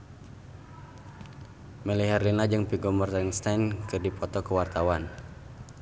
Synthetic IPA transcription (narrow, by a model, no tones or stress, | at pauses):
məliɦarlinad͡ʒɨŋpiɡɔmɔrt̪anst̪ajnkɨrdipɔt̪ɔkəwart̪awan